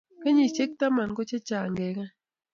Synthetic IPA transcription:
ka˦ɲi˨t͡ʃe˦k̚t̪a˦ma˨n˨ko˦t͡ʃe˦t͡ʃa˨ŋɡe˨˦ka˦

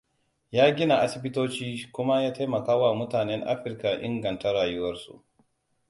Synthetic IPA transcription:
jaː˦ɡʲɪ˦na˨ʔa˦sɪ˨bɪ˦toː˦t͡ʃiː˦kʷʊ˦ma˦jaː˦ta˦mɐ˨kaː˦wa˨mʊ˦taː˨nɛ˦ŋʔa̰˦ɸɪ˦rka˨ʔɪ̰˦ŋɡɐ˨nta˦ɽaː˨jʊ˦wɐ˦rsṵ˨ʔ

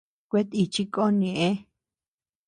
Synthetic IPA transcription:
kʷe˦t̪i˧t͡ʃi˦ko˦nĩ˨ʔẽ˦

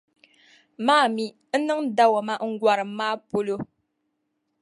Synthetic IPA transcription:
maː˦˨mi˨ | n̩˦nɨ˦ŋn˦da˦wa˨ma˦ʔŋ̩˦ɡwa˨ɾɨ˨maː˦po˦lo˦

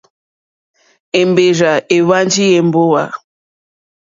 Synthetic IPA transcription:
e˨m˨be˨ɾa˨e˨wa˦n˦d͡ʒi˦je˨m̩˦bo˦wa˨

